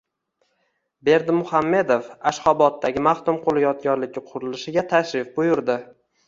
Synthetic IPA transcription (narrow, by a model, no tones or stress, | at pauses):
be̞ɾd̪ɪmʊhamːe̞d̪ofaʃχɒbɒt̪ːaɡʲɪmaχt̪ʊmqʰolˠɪjɒd̪̚ɡʲɒɾlɪɡʲɪqʰʊɾɪlɪʃɪɡʲat̪ʰaʃɾɪfbʊjʊɾd̪ɪ